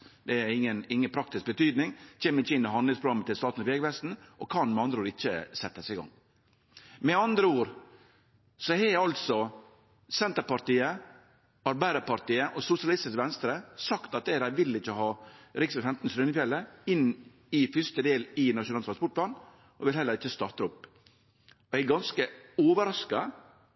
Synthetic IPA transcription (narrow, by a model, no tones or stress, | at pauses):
d̪ɛæɾɪŋːənɪŋːənpʰɾɑk̚t̪ɪsk̚bət̪yːd̪nɪŋt͡ʃʰeːməɾɪçːəɪnɪɦɑnd̪lɪŋspʰɾʊɡɑmːət̪ɪlst̪ɑːt̪n̩ɔʋeːɡʋɛst̪n̩ʔɔkʰɑnmɛɑnd̪ɾəuːɾɪçːə̰sɛt̪ːəsɛɪɡɑ̰ŋ | mɛɑnd̪ɾəuːɾ | sɔhɛɑlt̪sɔ | sɛnt̪əɾpɑɾʈ̪iːə | ɑɾbæɪd̪əpɑɾʈ̪iːəʔɔsʊsɪɑlɪst̪ɪsʋɛnst̪ɾəsɑkt̪ɑt̪̚d̪ɛɪɾæʋɪlːɪçːəhɑːɾɪksɛfɛmt̪n̩sɾʉnəfjɛlːəɪnː | ɪfʏst̪əd̪eːlɪnɑʃʊnɑlt̪ʰɾɑnspɔʈ̚pʰlɑːn | ʔɔʋɪlhɛlːəɾɪçːəst̪ɑɾt̪ɾʊpː | ɔɛɪɡɑnskəoːʋəɾɑskɑ